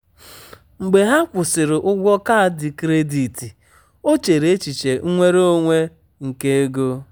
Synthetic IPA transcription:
ŋ͡m̩˨ɡ͡be˨ɦa˦kʷʊ˨sɪ˨ɾɪ˨ʔʊ˦ɡʷɔ˦ka˦a˨dɪ˨kɾe˦di˨ti˨ | o˦t͡ʃe˨ɾe˦t͡ʃi˨t͡ʃe˨˦ŋʷe˦ɾo˦ŋʷe˦ | ŋ̩˨ke˦e˦ɡo˦

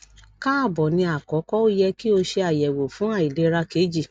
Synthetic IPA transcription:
ka˦a˦˨bɔ˨nĩ˧a˨kɔ˨˦kɔ˦o˦jɛ˧ki˦o˧ʃe˧a˨jɛ˨wo˨fũ˨˦a˦˨i˨le˨˦ɾa˧ke˨˦d͡ʒi˦˨

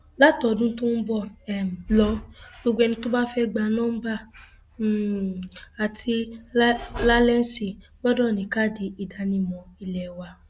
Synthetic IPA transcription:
la˦˨tɔ˨dũ˦n̩˦tũ˦n̩˦bɔ˦˨ɛ˨m˨lɔ˨˦lo˦ɡʷɛ˨˧nĩ˦tu˦ba˦fɛ˦ɡ͡ba˨nɔ̃˦m̩˦ba˦˨ | a˨tʰi˧˦ | la˦lɛ˦n̩˦si˨ɡ͡bɔ˦dɔ˦˨nĩ˨ka˦˨di˨i˨da˨˦nĩ˨mɔ̃˨i˧lɛ˨wa˧

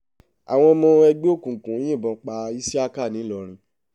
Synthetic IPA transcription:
a̰˨w̃ɔ̃˧mɔ̃˧ɛ˧ɡ͡bo˦˨kũ˨kũ˨˦j̃ĩ˦˨bɔ̃˨˧k͡pa˧i˦si˦a˦˧ka˦˨nĩ˨˦lɔ˨ɾ̃ĩ˧˦

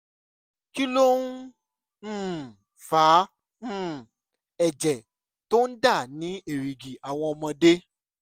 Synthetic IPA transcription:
ki˦lo˦ũ˦˨ | fãː˨˦˨ | ɛ˨d͡ʒɛ˨ | to˦n̩˦da˦˨nĩ˨˦e˨ɾi˨ɡi˨a˨w̃ɔ̃˧ɔ˧mɔ̃˧de˦

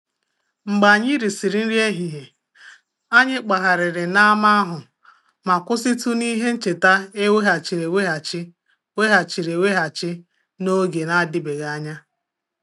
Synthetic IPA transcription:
ŋ͡m̩˨ɡ͡ba˨ɲɪ˦ɾi˨si˨ɾi˨n̩˦ɾi˦e˦ɦi˨ɦe˨ | a˦ɲɪ˦k͡pa˨ɦa˨ɾɪ˨ɾɪ˨na˦a˦ma˦a˦ɦʊ˨ | ma˨kʊ˦sɪ˦tu˦ni˦ɦe˦n̩˦t͡ʃe˨ta˦e˦we˦ɦa˨t͡ʃi˨ɾe˨we˦ɦa˨t͡ʃɪ˦ | we˦ɦa˨t͡ʃi˨ɾe˨we˦ɦa˨t͡ʃɪ˦ | no˦ɡe˨na˦dɪ˦be˨ɣa˨a˦ɲa˦

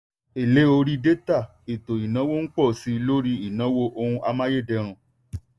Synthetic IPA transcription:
e˨le˦o˧ɾi˦de˦ta˦˨ | e˨to˨i˨nã˨˦wo˦n̩˦k͡pɔ˦˨si˨˧lo˦ɾi˦i˦˨nã˨˦wo˦ʔo˧hũ˧ʔa˧mã˦je˦˨dɛ˧˦ɾ̃ũ˧

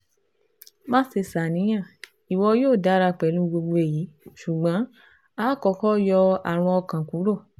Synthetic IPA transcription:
mãː˦se˧sa˨nĩ˨˦j̃ã˦˨ | i˨wɔ˧joː˦˨da˨˦ɾa˧k͡pɛ˨˦lũ˨˦ɡ͡bo˧ɡ͡bo˧e˨ji˨˦ʃu˨ɡ͡bã˨˦ | a˦kɔ˧˨kɔ˦jɔ˧a̰˨ɾ̃ɔ̃˧ɔ˧kã˨ku˨˦ɾo˦˨

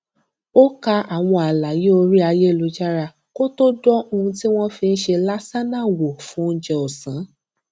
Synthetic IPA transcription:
o˦ka˧a˨w̃ɔ̃˧a˨la˨je˦o˧ɾi˦a˧je˦˨lo˨˧˦d͡ʒa˦ɾa˧ | ko˦to˦dɔ˦o˧ũ˧ti˦w̃ɔ̃˦fi˧n̩˦ʃe˧la˦sa˦nã˦˨wo˨fũ˦n̩˧˦d͡ʒɛ˧o˨sã˨˦

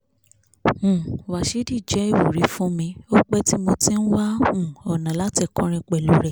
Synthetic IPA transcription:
ũ˨wa˨ʃe˨˦di˦˨d͡ʒɛ˨˦e˦˨wo˨ɾi˨˦fũ˦mĩ˧o˦k͡pɛ˦ti˦mo˧ti˦n̩˦wa˦hũ˦˨ɔ˨nã˨la˦ti˧˨kɔ̃˨˦ɾ̃ɛ̃˧k͡pɛ˨lo˨˦ɾɛ˦˨

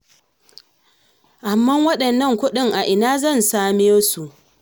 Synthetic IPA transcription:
ʔa˨mːɐ˦wɐ˦ɗɐ˨nːɐ˦˨ŋkʷʊ˦ɗɪ˦˨ŋʔa˨ʔɪ˨naː˦zɐ˦˨nsaː˦˨meː˦su˨ʔ

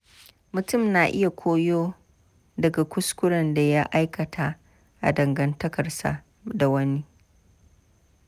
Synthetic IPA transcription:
mʊ˨tʊ˦˨mnaː˨ʔɪ˦ja˨kʷoː˦joː˦ | dɐ˨ɡa˨kʷʊ˦skʷʊ˦ɽɐ˨nda˨ja˦ʔa˦jkɐ˨tʰa˦ | ʔa̰˨dɐ˨ŋɡɐ˨ntɐ˦kɐ˨rsa̰˨ | da˨wɐ˦ni˦

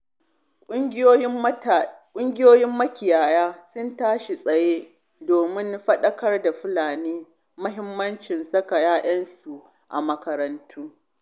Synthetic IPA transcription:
kʷʼʊ˦ɪ˦joː˦jɪ˦ | kʷʼʊ˦ŋɡʲɪ˦joː˦jɪ˦mːɐ˦kʲɪ˨jaː˨jaː˦sʊ˦ntaː˦ʃe˨sʼɐ˨jeː˦ | doː˨mɪ˦nɸɐ˦ɗɐ˦kɐ˦rda˨ɸɪ˦laː˨niː˦ | mʊ˦ɦɪ˦mːɐ˦nt͡ʃɪ˨nsɐ˦ka˨jaː˦ʔɐ˦nsu˨ | ʔa̰˨mɐ˦kɐ˦ɾɐ˦ntʰuː˦

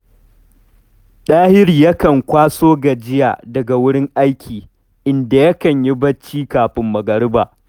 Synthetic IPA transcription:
ɗaː˦hɪ˦ɾi˨jɐ˦kɐ˨ŋkʷaː˦soː˦ɡa˨d͡ʒɪ˦ja̰ː˨dɐ˨ɡa˨wʊ˦ɽɪ˦ŋʔa˦jkʲʰiː˨ | ʔɪ˨nda˨jɐ˦kɐ˨ɲji˦bɐ˦t͡ʃːiː˦kaː˨ɸɪ˨mːɐ˨ɡɐ˨ɽɪ˦baː˨ʔ

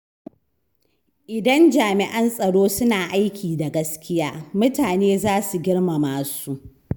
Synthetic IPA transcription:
ʔɪ˨dɐ˦nd͡ʒaː˨mɪ˨ʔɐ˦nsʼɐ˨ɽoː˦sʊ˦naː˨ʔa˦jkʲʰiː˨da˨ɡɐ˦skʲɪ˦jaː˦mʊ˦taː˨neː˦zaː˦su˨ɡʲɪ˦ɽma˨maː˨su˦ʔ

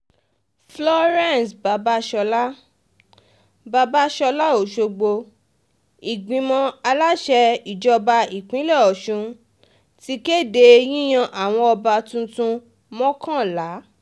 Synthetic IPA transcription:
flɔ˧ɾɛ̃˦˨nsba˨˧ba˦ʃɔ˧la˦ | ba˧ba˦ʃɔ˧la˦o˨ʃo˧ɡ͡bo˧ | i˨ɡ͡bĩ˨˧mɔ̃˧a˧la˦ʃɛ˧i˨d͡ʒɔ˧ba˧i˨k͡pĩ˨˦lɛ˦˨ɔ˨ʃũ˨˧ | ti˧ke˦˨de˧j̃ĩ˦j̃ã˧ʔa˨w̃ɔ̃˧ɔ˧ba˧tũ˧tũ˧ | mɔ̃˦kã˦˨la˨˦

